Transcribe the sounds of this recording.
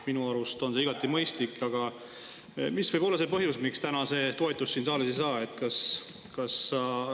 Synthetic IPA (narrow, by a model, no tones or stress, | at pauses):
minuɑɾust̪o̞nse̞iɡ̥ɑt̪ːˑimɤ̞jst̪likːˑɑɡ̥ɑ | misv̥ɤjbo̞lːɑse̞pɤɦjusmikst̪ænɑse̞ːt̪o̞et̪ˑːusːiːnsɑːlesesɑːe̞t̪kɑs | kɑsːɑ